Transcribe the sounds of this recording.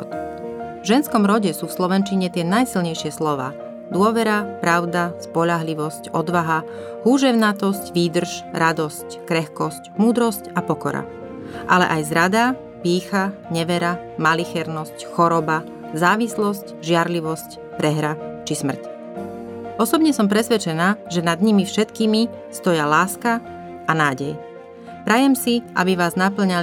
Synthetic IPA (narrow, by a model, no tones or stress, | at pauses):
ɔ̰t̪vʒɛnskɔmɾɔɟɛsuːfslɔʋɛnt͡ʃiɲɛt̪ɪɛnajsilɲɛjʃɪɛslɔʋa̰ː | d̪ʊɔʋɛɾapɾaʊd̪aspɔʎaɦliʋɔscɔd̪ʋaɦa | huːʒɛʊnat̪ɔscʋiːd̪r̩ʃɾad̪ɔsckɾɛxkɔscmuːd̪ɾɔscapɔkɔɾa̰ | ʔalɛ̰ʔajzɾad̪a | piːxaɲɛʋɛɾamalixɛɾnɔscxɔɾɔba | zaːʋislɔsc | ʒɪaɾliʋɔsc | pɾɛɦɾat͡ʃismr̩c | ɔsɔbɲɛsɔmpɾɛsʋɛt͡ʃɛnaːʒɛnad̪ɲimifʃɛt̪kiːmi | st̪ɔjalaːska | ʔanaːɟɛj | pɾajɛmsiʔa̰biʋaːznap̬l̩ɲal